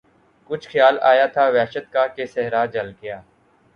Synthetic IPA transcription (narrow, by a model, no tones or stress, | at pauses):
kʊt͡ʃʰxɪjaːla̰ːjat̪ʰaːʋɛːʃət̪kakesɛɦɾaːd͡ʒəlɡɪjaː